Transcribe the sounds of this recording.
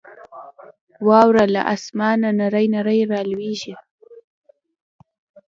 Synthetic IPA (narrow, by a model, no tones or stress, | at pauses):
wɑːwɾala̰ʔa̰smɑːnanaɾajnaɾəjɾɑːlweʒi